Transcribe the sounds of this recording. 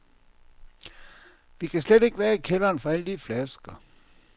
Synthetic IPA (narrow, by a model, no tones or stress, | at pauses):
ʋikʰæsled̥e̝ɡ̥ʋæːɐikʰelɐːnfɐæld̥iflæsɡ̥ɐ